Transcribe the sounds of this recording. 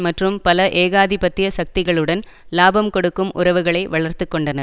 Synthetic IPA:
mɐʈrɯmpɐlɐʔeːɣaːðɪpɐt̪ːɪjɐsɐk̚t̪ɪɣɐɭɯɽɐn | laːbɐmkɔɽɯkːɯmʔʊ̰ɾɐʋɯɣɐɭɐɪʋɐɭɐɾt̪ɯkːɔɳɖɐnɐ

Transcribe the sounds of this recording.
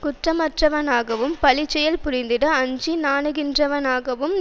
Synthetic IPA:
kʊʈrɐmɐʈrɐʋɐnaːɣɐʋɯmpɐɭɪt͡ʃːɛjɐlpʊɾɪnd̪ɪɽɐːɲd͡ʒinaːɳɯɣɪndrɐʋɐnaːɣɐʋɯm

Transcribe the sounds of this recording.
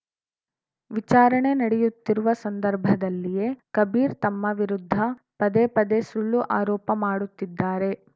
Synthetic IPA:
ʋit͡ʃaːɾɐɳe̞nɐɽɛjut̪ːiɾuʋɐsɐnd̪ɐɾbʱɐd̪ɐlːije̞kɐbiːɾt̪ɐmːɐʋiɾud̪ʱːɐ | pɐd̪epɐd̪esuɭːuʔaːɾɔːpɐmaːɽut̪ːid̪ːaːɾe̞

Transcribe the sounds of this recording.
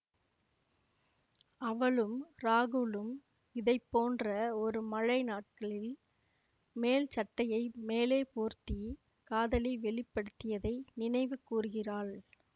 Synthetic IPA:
ɐʋɐɭɯmɾaːɣɯlɯm | ɪðɐɪpːoːndrɐɔɾɯmɐɻɐɪnaːʈ̚kɐɭɪl | meːlt͡ʃɐʈːɐjɐɪmeːleːpoːɾt̪i | kaːðɐlɪʋɛɭɪpːɐɽɯt̪ːɪjɐðɐɪnɪnɐɪʋɯkːuːrɯɣɪraːɭ

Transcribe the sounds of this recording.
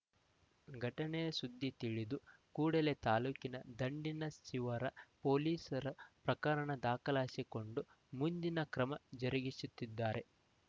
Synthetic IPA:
ɡʱɐʈɐnejɐsud̪ʱːit̪iɭid̪ukuːɽɐle̞t̪aːluːkinɐd̪ɐɳɖinɐst͡ʃiʋɐɾɐpoːliːsɐɾɐpɾɐkaːɾɐnɐd̪aːkɐlaːsiko̞ɳɖu | mund̪inɐkɾɐmɐd͡ʒɐɾiɡisut̪ːid̪ːaːɾe̞

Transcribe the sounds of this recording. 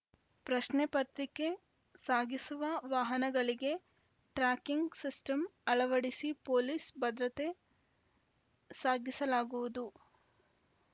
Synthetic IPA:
pɾɐʃnepɐt̪ɾike̞ | saːɡisuʋɐʋaːɦɐnɐɡɐɭiɡe̞ | ʈɾaːkiŋɡsisʈɐmɐɭɐʋɐɽisipoːliːsbɐd̪ɾɐt̪e̞ | saːɡisɐlaːɡuʋud̪u

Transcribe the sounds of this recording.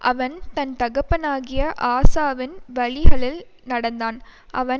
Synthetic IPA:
ʔɐʋɐnt̪ɐnt̪ɐɣɐpːɐnaːɣɪjɐʔaːsaːʋɪnʋɐɭɪɣɐɭɪl | nɐɽɐnd̪aːn | ʔɐ̰ʋɐn

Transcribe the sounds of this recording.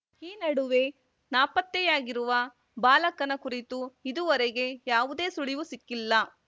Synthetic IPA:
iːnɐɽuʋe̞ | naːpɐt̪jɛjaːɡiɾuʋɐ | baːlɐkːɐnɐkuɾit̪uid̪uʋɐɾeɡe̞jaːʋud̪e̞ːsuɭiʋusikːilːɐ

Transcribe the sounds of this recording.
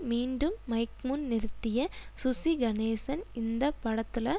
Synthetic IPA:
miːɳɖɯmːɐɪkmʊnnɪɾɯt̪ːɪjɐsʊsiɡɐneːsɐnɪnd̪ɐpːɐɽɐt̪ːɪlɐ

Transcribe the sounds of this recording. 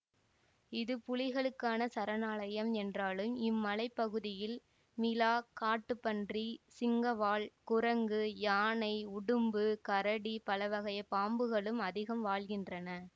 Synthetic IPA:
ɪðɯpʊlɪɣɐɭɯkːaːnɐsɐɾɐnaːɭɐjɐmɛndraːlɯmɪmːɐlɐɪpːɐɣɯðɪjɪl | mɪlaːkaːʈːɯpːɐndrisɪŋɡɐʋaːɭkʊɾɐŋɡɯjaːnɐɪʊɽɯmbɯkɐɾɐɽipɐlɐʋɐɣɐjɐpaːmbɯɣɐɭɯmɐðɪɣɐmʋaːɭɣɪndrɐnɐ

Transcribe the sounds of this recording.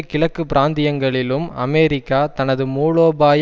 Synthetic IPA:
kɪɭɐkːɯpɪɾaːnd̪ɪjɐŋɡɐɭɪlɯmɐ̰meːɾɪkːaːt̪ɐnɐðɯmuːɭoːbaːj

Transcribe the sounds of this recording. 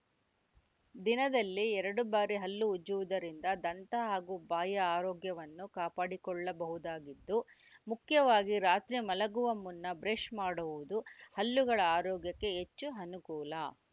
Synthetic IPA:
d̪inɐd̪ɐlːiɛɾɐɽubaːɾiɦɐlːuːd͡ʒuʋud̪ɐɾind̪ɐd̪ɐnt̪ɐɦaːɡubaːjɐaːɾɔːɡjɐʋɐnːukaːpaːɽikɔɭːɐbɐɦud̪aːɡid̪ːu | mukʰjɐʋaːɡiɾaːt̪ɾimɐlɐɡuʋɐmːunːɐbɾeʃmaːɽuʋud̪uhɐlːuɡɐɭɐaːɾɔːɡjɐkːe̞ɦet͡ʃːuɦɐnukuːlɐ

